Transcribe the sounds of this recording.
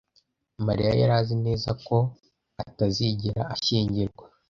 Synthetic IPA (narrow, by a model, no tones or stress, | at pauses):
maɾḭja̰jaɾaːzine̞ːzako̞ | ataziɟiɾa̰ːʃiːɲɟiɾɡwa